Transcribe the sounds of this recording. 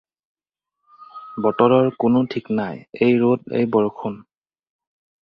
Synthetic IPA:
bɔtɔɹɔɹkʊnʊtʰiknajejɹotḛjbɔɹkʰun

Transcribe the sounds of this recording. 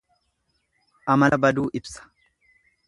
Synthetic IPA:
ʔɐmɐlɐbɐd̪uːʔɪbsɐ̥

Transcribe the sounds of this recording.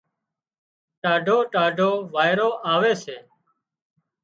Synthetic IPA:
ʈaːɖʱoːʈaːɖʱoːʋaːɪɾoːʔaːʋeːseː

